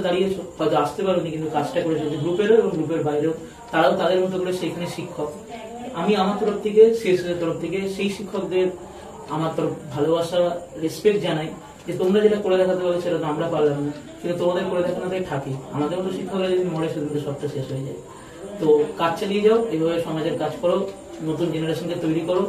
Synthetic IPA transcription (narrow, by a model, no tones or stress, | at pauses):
d̪aɽijehɔet̪oaʃt̪epaɾonikint̪ukad͡ʑʈakoɾet͡ɕʰaod͡ʑeɡɾupeɾoeboŋɡɾup̬eɾbajɾeo | t̪aɾaot̪ad̪eɾmot̪ʰːokoɾeʃejkʰaneʃikʰːok | amiamaɾt̪ɔɾoft̪ʰekeʃeʃɦoeɾt̪ɔɾoft̪ʰekeʃejʃikʰːokd̪eɾ | amaɾt̪ɔɾofbʱalobaʃaɾespekʈd͡ʑanaj | d͡ʑet̪omɾad͡ʑeʈakoɾed̪ɛkʰat̪ebabeʃeʈat̪amɾapaɾlana | kint̪ut̪omad̪eɾkoɾed̪ɛkʰanat̪ajʈʰakia̰mad̪eɾmot̪̬oʃikʰːokɾad͡ʑod̪imɔɽeʃed̪ʱimt̪eʃɔb̚t̪aʃeʃɦojed͡ʑa̰e | t̪okad͡ʑt͡ɕalied͡ʑaoʔejbʱabeʃɔmad͡ʑeɾkad͡ʑkɔɾo | not̪und͡ʑenaɾaʃonket̪ojɾikɔɾo